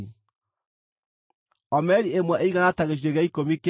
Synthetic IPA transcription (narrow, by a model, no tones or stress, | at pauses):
ɔmɛɾiemwɛʔeiɣanataɣeʃ̬iɾeɣaikomik